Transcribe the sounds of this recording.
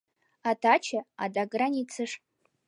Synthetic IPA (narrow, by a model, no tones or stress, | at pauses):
atʰat͡ʃʰaa̰daɡranit͡sʰɨʂ